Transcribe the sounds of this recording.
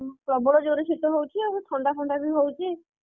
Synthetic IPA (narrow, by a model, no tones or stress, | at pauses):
pɾɔbɔɽɔd͡ʒoɾesʰit̪ɔɦowt͡ʃʰiabɔ̃t̪ʰɔɳɖapʰɔɳɖabiɦowt͡ʃʰi